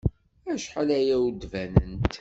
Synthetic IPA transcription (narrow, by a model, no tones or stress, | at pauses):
æʃħalæjæwd̪vænənt̪